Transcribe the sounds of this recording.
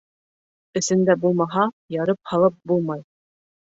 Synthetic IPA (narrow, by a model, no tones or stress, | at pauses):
ɘ̆sɘ̆nd̪æbulˠmɑɦɑ | jɑɾɤp̚hɑlˠɤp̚bulˠmɑj